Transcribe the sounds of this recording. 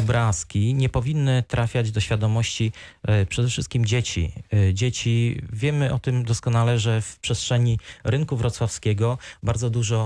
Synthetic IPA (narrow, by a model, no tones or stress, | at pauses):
ɔbɾaskʲiɲɛpɔvʲinːɘt̪ɾʔafʲjad͡ʑd̪ɔɕfʲjad̪ɔmɔɕt͡ɕipʂɛd̪ɛfʂɘst̪̚kʲimd͡ʑet͡ɕḭd͡ʑet͡ɕivʲjɛmɘʔɔt̪ɘmd̪ɔskɔnalɛʐɛfpʂɛstʂɛɲiɾɘŋkuvɾɔt̪swafskʲɛɡɔbaɾd̪zɔd̪uʐɔ